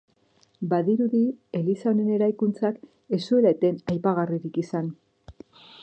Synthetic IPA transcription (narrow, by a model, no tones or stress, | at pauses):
baðiɾuðie̞lisaone̞ne̞ɾajkunt͡sak | e̞sue̞laet̪e̞najpaɣ̞ariɾikisan